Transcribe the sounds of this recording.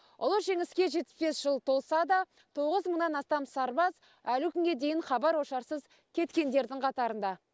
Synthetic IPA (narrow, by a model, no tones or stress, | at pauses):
ʊ̰lˠəʒe̞ŋɪskʲe̞ʒe̞t̪̚ːɪ̥sbe̞sʒ̥əlˠt̪ʰo̞lˠsɑd̪ɑ | t̪ʰo̞ʁəzməɴnɑnɑst̪ɑmsɑɾbɑz | ælʊkʲʰʏŋɡʲe̞d̪e̞jɪɴχɑbɑɾwo̞ʃɑɾsəz | kʲʰe̞t̪kʲe̞nd̪e̞ɾd̪ɪŋqʰɑt̪ɑɾənd̪ɑ